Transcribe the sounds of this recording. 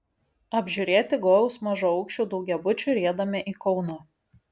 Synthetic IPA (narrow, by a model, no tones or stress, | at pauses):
ɐbʲʒʲuɾʲeːt̪ʲɪɡoːjʊsmɐʒʊɒʊkʃʲt͡ʃʲuːd̪ɔʊɡʲɛbʊt͡ʃʲuɾʲeːd̪ɐmʲɛʔiːkɒʊnɐː